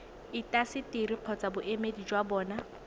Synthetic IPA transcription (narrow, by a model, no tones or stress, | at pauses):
ɪtʼasɪtɪɾiq͡χʰɔt͡sabʊʔemedid͡ʒwabɔːna